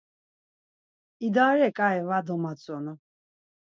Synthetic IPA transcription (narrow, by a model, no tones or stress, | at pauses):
id̪aɾɛkʼaɛvad̪ɔmat͡sʼɔnɔ